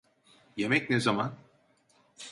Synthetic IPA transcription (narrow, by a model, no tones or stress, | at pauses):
jemɛcnezaman